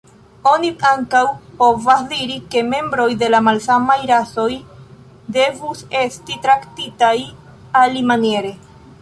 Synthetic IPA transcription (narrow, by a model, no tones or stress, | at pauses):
o̞niaŋkawpo̞vasdiɾike̞me̞mbɾo̞jde̞lamalsamajɾaso̞j | de̞vuse̞stitɾaktitaj | alimanje̞ɾe̞